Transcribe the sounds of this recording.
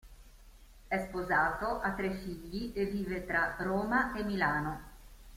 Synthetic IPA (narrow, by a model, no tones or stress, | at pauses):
ɛspozaːt̪oʔat̪ːɾefiʎːiʔeviːvet̪ɾaroːmaemilaːno